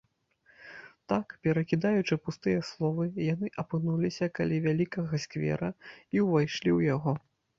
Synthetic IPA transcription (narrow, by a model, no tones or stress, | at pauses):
t̪akpʲɛɾɐkʲid̪ajut͡ʂɨpust̪ɨjɛslˠɔvɨjanɨʔɐpɨnulʲisʲɐkalʲɛvʲalʲikɐɣɐsʲkvʲɛ̰ɾɐiwvajʂlʲiwjaɣɔ